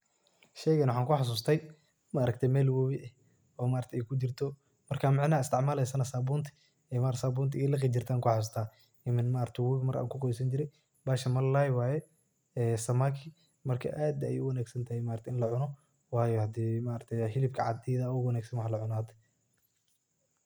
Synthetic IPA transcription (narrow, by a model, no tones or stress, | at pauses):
ʃɛjɣɐnwħaːŋkʰʊħas̬uːst̪ʰɛj | maʔːɾɐkt̪ʰɛjmɛːlwɔβɪʔɛ | ɔːmaːɾɐt̪ʰɛɛjkʰʊt͡ʃɪrt̪ʰɔ | mɐrkʰaːmɪʕnɐɪst̪ʰɪʕmaːlɛjsɐnɐsaːbuːnt̪ʰɪ̥ | ɛmaɾsaːbuːnt̪ʰɪɛlɐqit͡ʃɪrt̪ʰaːŋkʰʊħasuːs̬t̪ʰaː | ɪmɪnmaːɾɐt̪ʰɛwiːɡmɐɾʔa̰ːŋkʰʊqɔjsɐɲt͡ʃɪɾɛj | baːʃɐmɐllaːjwɑːjɛ | ɛːsɐmaːkʰɪ | mɐrkʰɐ̰ʔaːd̪̰ːjʊwɐnaːɡsɐnt̪ʰɐhɛjmaːɾt̪ʰɛɪnlɐʕʊnɔ | wɑːjɔhɐd̪iːmaːɾɐk̚t̪ʰɛjhɪlɪbkʰɐʕɑ̰d̪ɛːðɐwɐnaːɡsɐnwɑħlɐʕʊnaːd̪ɛ